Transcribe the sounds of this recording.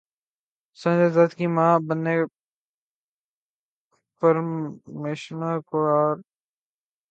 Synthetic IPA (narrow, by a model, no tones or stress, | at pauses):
sə̃nd͡ʒeːzat̪kiːmãːbənːeː | pəɾmeːʃnaːkoaːɾ